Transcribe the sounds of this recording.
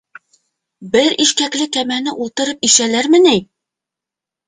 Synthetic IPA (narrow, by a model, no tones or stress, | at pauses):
bɘɾiʃkæklɘkæmænɘʔulˠt̪ɤ̆ɾɤp̚iʃælæɾmɘ̆næj